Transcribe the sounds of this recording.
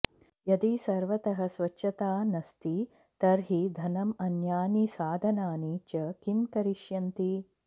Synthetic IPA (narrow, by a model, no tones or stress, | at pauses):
jɐd̪isɐɾʋɐt̪ɐɦɐ̆sʋɐt͡ʃʃʰɐt̪aːnɐst̪i | t̪ɐɾɦid̪ʱɐnɐmɐnjaːnisaːd̪ʱɐnaːniːt͡ʃɐkimkɐɾiʃjɐnt̪i